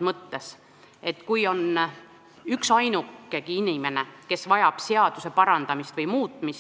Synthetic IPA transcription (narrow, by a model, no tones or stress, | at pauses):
mɤt̪ːe̞s | e̞t̪ːˑkujo̞n | yksɑjnukːˑeɡ̥iinime̞ne̞ke̞svɑjɑb̥se̞ɑd̪̥use̞pɑɾɑnd̪̥ɑmist̪vɤjmuːt̪ˑmis